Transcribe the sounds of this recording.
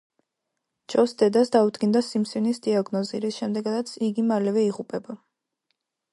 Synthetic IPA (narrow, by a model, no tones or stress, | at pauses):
d͡ʒɔsd̪ɛd̪asd̪aud̪ɡind̪asimsinisd̪iaɡnɔziɾisʃɛmd̪ɛɡad̪at̪sʰiɡimalɛvɛiʁupʼɛba